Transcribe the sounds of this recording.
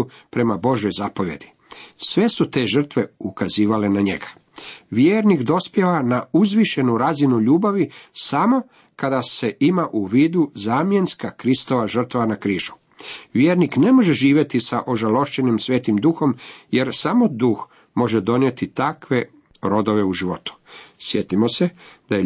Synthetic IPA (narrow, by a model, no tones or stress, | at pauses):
pɾe̞mabo̞ʒjo̞jzapo̞ʋje̞d̪̥i̥ | sʋe̞sut̪e̞ʒər̩t̪ʋe̞ukaziːʋale̞naɲe̞̰ɡḁ | ʋjeːɾnikd̪o̞spje̞ʋanauzʋiʃe̞nuɾazinuʎuːbaʋisamo̞ | kad̪ase̞ʔimaʔuʋiːd̪uzaːmje̞nskakɾist̪o̞ʋaʒr̩t̪ʋanakɾiːʒu̥ | ʋjeːɾnikne̞mo̞ʒeʒiːʋje̞t̪isaʔo̞ʒalo̞ʃt͡ɕe̞nimsʋʲe̞ːt̪imd̪uxo̞mje̞ɾsamo̞d̪ux | mo̞ʒed̪o̞nje̞t̪it̪akʋe̞ | ɾo̞d̪o̞ʋe̞uʒiʋo̞t̪u̥sje̞t̪imo̞se̞d̪̥aj